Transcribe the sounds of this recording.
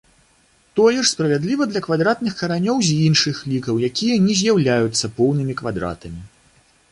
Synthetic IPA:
t̪ɔjɛʂspɾɐvʲad̪lʲivɐd̪lʲɐkvad̪ɾat̪nɨxkɐɾanʲɔwzʲinʂɨxlʲikɐwjakʲijɐnʲɛzʲjawlʲajut̪sːɐpɔwnɨmʲikvad̪ɾa̰t̪ɐmʲi

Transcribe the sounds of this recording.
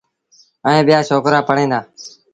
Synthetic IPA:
əẽːɓɪjaːʃoːkɾaːpəɽ̤ẽːnd̪aː

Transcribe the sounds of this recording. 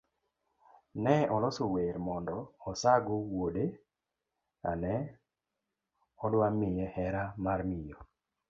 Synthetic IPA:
nɛɔlɔsoweɾmɔndɔːsaɡowode | a̰nɛ | ɔdwamɪjɛhɛɾamarmɪjɔ

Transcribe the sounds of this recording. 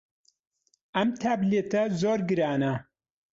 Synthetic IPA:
ʔɐmt̪ʰaːblet̪ɐzoːɾɡɨɾaːnɐ

